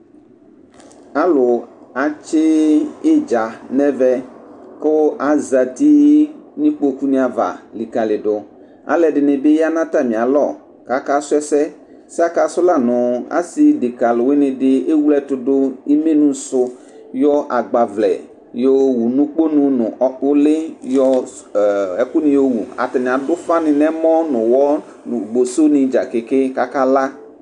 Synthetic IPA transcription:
a˦lʊ˨a˨t͡ʃɪ˦ɪ˦d͡ʒa˨nɛ̃˦vɛ˦ko˦ʔa˨za˨t̪i˦nĩ˦k͡po˦ku˦nĩ˦a˨va̰˨li˨ka˨lɪ˨ɖʊ˨ | a̰˨lɛ˨ɖɪ˨nɪ̃˨be˦ja˦nã˦t̪a˦˨mĩ˨a˨lɔ˨ | ka˨˦ka˦sʊ˦ɛ˦sɛ˦ | sa˦ka˨sʊ˦la˦nʊ̃˨a̰˦si˦dɪ˨ka˨lʊ˨wɪ˦nɪ̃˨dɪ˦e˦wu˦lɛ˦tʊ˨dʊ˦i˦me˦nũ˨sʊ˦ | jɔ˦ʔa˨ɡ͡ba˨vlɛ̰˨ | jo˨˦wu˨nũ˦k͡po˦nũ˨nʊ˨ɔ˦ʊ˦lɪ˦jɔ˦˨ | ɛ˨kʊ˦nɪ̃˨jo˦wṵ˨a̰˨ta˨nɪ̃˨a˨dʊ˦fa˦nɪ˨nɛ˦mɔ˦nʊ̃˨wɔ˦˨ | ɡ͡bo˨so˦nɪ̃˨d͡ʒa̰˨kɪ˨kɪ˦ka˦ka˦la˦

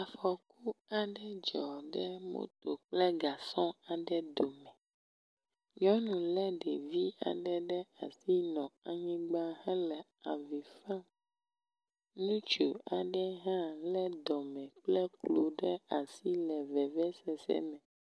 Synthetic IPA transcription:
a˨fɔ˨ku˦a˨ɖɛ˦d͡ʒɔ˨ɖɛ˦mõ̰˦t̪o˨k͡plɛ˦ɡa˨sɔ̃˦a˨ɖɛ˦d̪o˨mɛ̃˨ | ɲɔ̃˦nũ˨lɛ˦ɖɛ˨vi˦a̰˨ɖɛ˦ɖɛ˦a˨si˦nɔ̃˨a˨ɲĩ˦ɡ͡ba˦hɛ̃˦lɛ˨ | a˨vi˨fã˦ | nũ˦t͡ʃo˨a˨ɖɛ˦ɦã˦lɛ˦d̪ɔ˨mɛ̃˨k͡plɛ˦klo˨ɖɛ˦a˨si˦lɛ˨vɛ˨vɛ˦sɛ˨sɛ̰˦mɛ̃˨

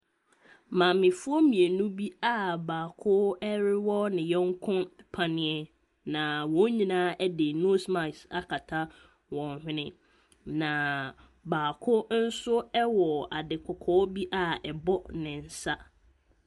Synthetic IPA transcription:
mã˨mɪ̃˨fʊ˦ɔ˦mĩ˨e˨nũ˦bi˦a˦baː˨kʰʊ˦ɛ˦ɾɪ˦wɔ˦nɪ̃˨jɛ˦ŋ˦kʰʊ̃˦npʰa˨nɪ̃˨˦ɛ˦ | nã˨wɔ̃˨˦ɲĩ˨nãː˦ɛ˦dɪ˨no˦sma˨sa˨kʰa˨tʰa˦ | wɔ̃˨nhɪ̃˦nɪ̃˦ | nã˨ | baː˨kʰʊ˦n̩˦sʊ˦ɛ˦wɔ˨a˨dɪ˨kʰɔ˨kʰɔː˨˦bi˦ʔa˦ɛ˨bɔ˦nɪ̃˨n̩˨sa˦

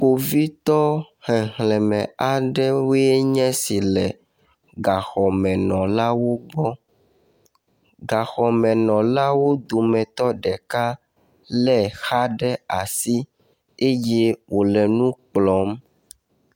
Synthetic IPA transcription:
k͡po˨vi˦t̪ɔ˦ | hɛ˨ɦlɛ˨mɛ̃˨a˨ɖɛ˦wo˦e˦ɲɛ̃˦si˨lɛ˨ | ɡa˨xɔ˨mɛ̃˨nɔ̃˨la˦wo˦ɡ͡bɔ˦ | ɡa˨xɔ˨mɛ̃˨nɔ̃˨la˦wo˦d̪o˨mɛ̃˨t̪ɔ˦ɖɛ˨ka˦ | lɛ˦xa˦ɖɛ˦a˨si˦ | e˦je˦wʔo˨lɛ˨nũ˦k͡plɔ˨˦m

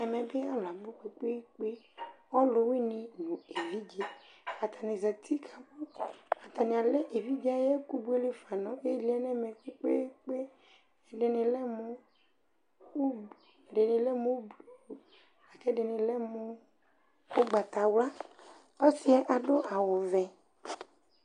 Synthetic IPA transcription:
ɛ˨mɛ̃˨be˦a˨la˨bo˦k͡pe˨k͡pe˦k͡pe˦ | ɔ˦lo˨we˦nĩ˨nũ˨e˨vi˦d͡ʒe˦a˨t̪a˨nĩ˨za˨t̪ʰi˦kʰa˨bo˦a˨t̪a˨nĩ˨a˨lɛ˦ʔe˨vi˦d͡ʒe˦a˦jɛ˦ku˦bu˦e˦le˦fa˨nɔ̃˨e˦li˨˦a˦nɛ˦mẽ˨k͡pe˦k͡pḛ˦k͡pe˦˨ | ɖe˨nɪ̃˨lɛ˦mo˦ | o˦˨ | ɖe˨nɪ̃˨lɛ˦mo˦bu˨u˨ | a˨kɛ˦ɖe˨nɪ̃˨lɛ˦mo˦ | o˦ɡ͡ba˨t̪a˨wla˦ | ɔ˦si˦ɛ˦ʔa˨ɖo˦ʔa˨wo˨vɛ̃˨

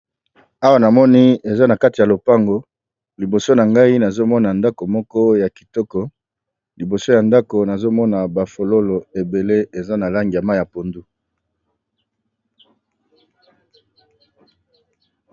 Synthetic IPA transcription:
a˦wa˦na˨mɔ˦ni˦e˨za˦na˨ka˦ti˨ja˨lo˨pa˦ŋɡo˦ | li˨bo˨so˦na˨ŋɡa˦i˦na˨zo˦mɔ˦na˨nda˦ko˨mɔ˦kɔ˦ja˨ki̥˨tɔ˦kɔ˦ | li˨bo˨so˦ja˨nda˦ko˨na˨zo˦mɔ˦na˨ba˨fo˨lo˦lo˨e˨be˨le˦e˨za˦na˨la˦ŋɡi˨ja˨ma˦˨ja˨po˨ndu˦

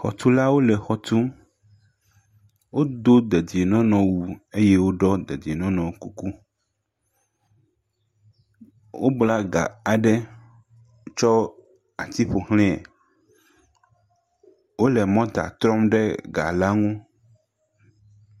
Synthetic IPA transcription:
xɔ̰˨t̪u˦la˦wo˦lɛ˨xɔ˨t̪u˦m | wo˦d̪o˦d̪ɛ˨d̪i˨e˨nɔ̃˦nɔ̃˨wu˨e˦jɛ˦wo˦ɖɔ˦d̪e˨d̪i˨e˨nɔ̃˦nɔ̃˨˦ku˦ku˦ | wo˦bla˦ɡa̰˨a˨ɖɛ˦ | t͡ʃɔ˦ | a˨t̪i˦ɸo˨hl̃ẽ˦ɛ̰˨ | wo˦lɛ˨mɔ̃˦d̪a̰˨t̪ɾɔ˦mɖɛ˦ɡa̰˨la˦ŋũ˦

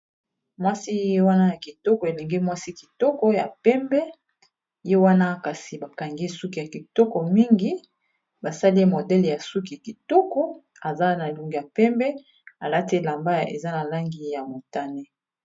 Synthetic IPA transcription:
mwa˦si˦je˦wa˦na˦ja˨ki˨tɔ˦kɔ˨e˨le˨ŋɡe˦mwa˦si˦ki˨tɔ˦kɔ˦ja˨pɛ˦mbɛ˦ | je˦wa˦na˦ka˨si˨ba˨ka˨ŋɡi˦su˦ki˨ja˨ki˨tɔ˦kɔ˨mi˦ŋɡi˦ | ba˨sa˦li˦mo˨dɛ˦lja˨su˦k̬i˨a˨ki˨tɔ˦kɔ˦ | a˨za˦na˨lu˨ŋɡi˨ja˨pɛ˦mbɛ˦ | a˨la˦te˦la˨mba˦ḛ˨za˦na˨la˦ŋɡi˨ja˨mo˨ta˦ne˦

